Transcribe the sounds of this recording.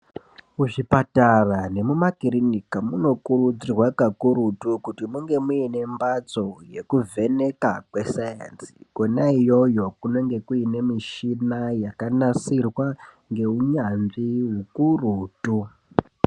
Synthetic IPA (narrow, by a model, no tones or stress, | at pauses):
uʐipatarane̞mumakiɾinikamuno̞kurud͡zirwakakuɾutukutimuŋɡe̞muine̞mbad͡zo̞je̞kuve̞ne̞kakwe̞saja̰nsi̥konaijo̞jo̞kuno̞ŋɡe̞kuine̞miʃinajakanasirwa | ŋɡe̞uɲanʐiwekuruːtu